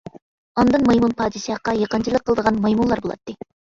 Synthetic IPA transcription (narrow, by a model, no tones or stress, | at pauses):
ɑnd̪ɨnmɑjmunpʰɑːd̪ɨsɑqɑjɑqənt͡ʃʰilˠəqʰːəlˠd̪əʁɑnmɑjmunlˠɑɾbolˠɑ̰t̪ːɨ